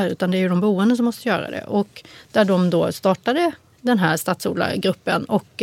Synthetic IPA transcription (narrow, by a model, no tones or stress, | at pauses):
ɾʉ̟ːt̪and̪ɛæɾjɵd̪ɔmbuːɛnd̪əs̬ɔmːɔst̪əjœːɾa̰d̪ɛ̰ʔɔkːd̪̥æɖɔmd̪oːst̪ɑːʈad̪ə | d̪ɛnɦæːɾʂt̪at̪sṵːla̰ɡɾɵpːənɔk